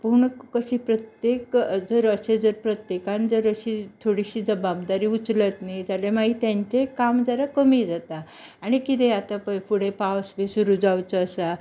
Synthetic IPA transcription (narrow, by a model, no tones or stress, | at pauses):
puɳkəɕiːpɾət̪jekd͡zəɾəsed͡zəɾpɾət̪jekand͡zəɾəɕit̪ʰoɽiɕiːd͡zəbab̚d̪aɾiːut͡slət̪nid͡zalemaɡiːt̪jaɲt͡ɕekamd͡zəɾakəmiːd͡zat̪a | aɽ̃ikit̪eat̪apə̃jpuɽ̤epawsbesuɾud͡zawt͡səːsa